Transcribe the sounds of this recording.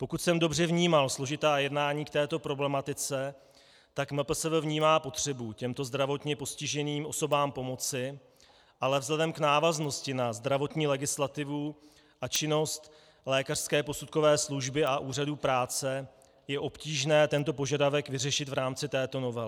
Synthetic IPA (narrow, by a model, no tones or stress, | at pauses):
po̞kut̪sɛmdo̞br̝ɛvɲiːmalslo̞ʒɪt̪aːjɛdnaːɲiːkt̪ɛːt̪o̞pɾo̞blɛmat̪ɪt͡sɛ | t̪akmɛpl̩sɛvvɲiːmaːpo̞t̪r̝̥ɛbucɛmt̪o̞zd̪ɾavo̞t̪ɲɛpo̞scɪʒɛniːmʔo̞sobaːmpo̞mo̞t͡sɪ | ʔalɛvzlɛdɛmknaːvazno̞scɪnazd̪ɾavo̞t̪ɲiːlɛɡɪslat̪ɪvu | ʔat͡ʃɪno̞st̪ | lɛːkar̥skɛːpo̞sut̪̚ko̞vɛːsluʒbɪʔaʔuːraduːpɾaːt͡sɛ | jɛʔo̞pciːʒnɛːt̪ɛnt̪o̞po̞ʒadavɛkvɪrɛʃɪt̪vɾaːmt͡sɪt̪ɛːt̪ono̞vɛlɪ